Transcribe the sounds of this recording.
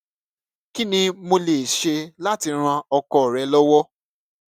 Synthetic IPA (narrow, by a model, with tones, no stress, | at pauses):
ki˦nĩ˧mo˧le˨ʃe˧la˦ti˧ɾ̃ã˧ɔ˧kɔ˧˨ɾɛ˨˦lɔ˦wɔ˦